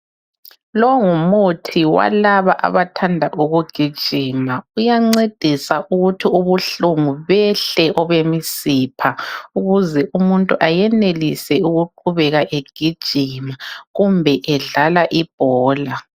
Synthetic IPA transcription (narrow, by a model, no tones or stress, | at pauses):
lɔŋumutʰiwa̰laβaʔa̰βatʰandʱaʔuɣuɡ̥ʱid̥ʒ̥ʱiːmaujaŋ͡ǀed̥ʱisaʔuɣutʰiuβuɬuŋuβɛɬɛʔɔβemisipʰauɣuzɛʔumuntʼuʔajɛnelisɛuɣuǃuβɛɣaʔeɡ̥ʱid̥ʒ̥ʱimaɣumbʱɛʔɛɮalaʔib̥̚ʱɔːla